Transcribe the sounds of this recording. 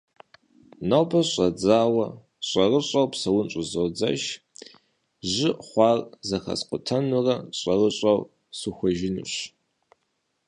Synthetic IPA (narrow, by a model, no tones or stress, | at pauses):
nawbɐɕʼɐd͡zaːwɐ | ɕʼɐrɨɕʼɐwpsɐwʊnɕʼʊzowd͡zɐ̰ʃ | ʑɪʔχʷɑːrzɐxɐ̰sqʷʊtʰɐnurɐɕʼɐrəɕʼɐw | suxʷɔʒɪnṵɕ